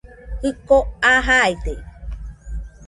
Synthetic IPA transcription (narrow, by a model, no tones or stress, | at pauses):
hɨkoaɦajt̪e